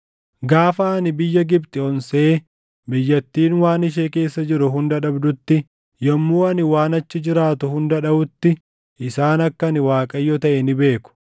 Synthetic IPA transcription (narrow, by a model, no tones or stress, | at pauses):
ɡaːfɐːɐnɪbɪjːɐɡɪbt̪ʼɪɔnse̞ː | bɪjːɐt̪ːiːnwaːnɪʃ̬eːke̞ːsːɐd͡ʒɪɾʊɦʊnd̪ɐᶑɐbd̪ʊt̪ːɪ | jɔmːuːɐnɪwaːnɐt͡ʃːɪd͡ʒɪɾaːt̪ʊhʊnd̪ɐᶑɐbʊt̪ːɪ | ʔɪsaːnɐkːɐnɪwaːkʼɐjːɔt̪ɐʔɛnɪbe̞ːkʊ̥